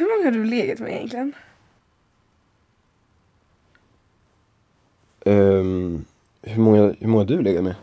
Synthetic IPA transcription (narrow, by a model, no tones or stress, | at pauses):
hɵɾmɔŋːahaɖɵleːɡat̪mɛ̰jɛ̰nklɪən | hɵmɔŋːahɵmɔŋːad̪ɵleːɡat̪mɛ